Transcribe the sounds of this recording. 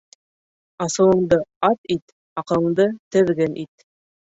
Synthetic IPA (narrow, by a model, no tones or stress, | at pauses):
ɑsɤ̆wɤ̆ɴd̪ɤɑt̪it̪ | ɑqɤ̆ɤ̆ɴd̪ɤt̪ɘ̆ðɡɘnʔit̪̚